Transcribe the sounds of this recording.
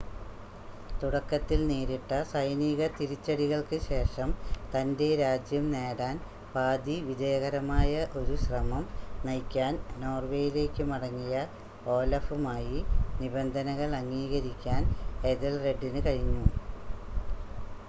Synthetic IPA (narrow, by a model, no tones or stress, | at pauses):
t̪uɽɐkːɐt̪ːilneːɾiʈːɐsɐjniɣɐt̪iɾit͡ɕːɐɽiɣɐɭkɨɕe̞ːʂɐmt̪ɐnde̞ɾaːd͡ʑjɐmne̞ːɽaːn | paːd̪iʋid͡ʑɐjɐɣɐɾɐmaːjɐʔo̞ɾuɕrɐmɐmnɐjkʲːaːnno̞ːrʋe̞ːjile̞ːkʲːɨmɐɽɐŋːijɐ | o̞ːlɐfumaːjinibend̪ʱɐnɐɣɐɭɐŋːiːɣɐɾikʲːaːned̪ɐlre̞ɖːinɨkɐɻiɲːu